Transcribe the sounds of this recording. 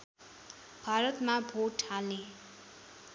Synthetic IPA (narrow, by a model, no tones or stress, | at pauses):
b̥ʱaɾʌt̪mabʱoʈʰalne